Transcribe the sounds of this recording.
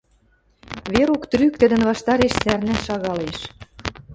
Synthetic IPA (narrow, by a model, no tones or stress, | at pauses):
βeɾukt̪ryk̚t̪ɘ̆d̪ə̆nβɑʃt̪ɑɾeʃt͡særnæʃɑɣɑleʃ